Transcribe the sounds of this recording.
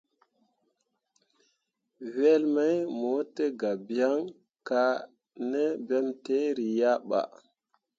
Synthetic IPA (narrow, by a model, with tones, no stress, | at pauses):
we˦lma˦jmo˨˦te˦ɡa˨bi˦a˦ŋ | ka˨ | ne˦be˦mte˦ɾi˨ja˦ɓa̰˨